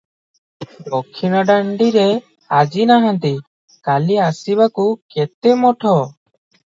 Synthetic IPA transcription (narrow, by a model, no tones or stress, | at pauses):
ɖɔkʰːinaɖaɳɖiɾɛ | ad͡ʒinaɦãnt̪i | kaliasibakukɛt̪ɛmɔʈʰɔ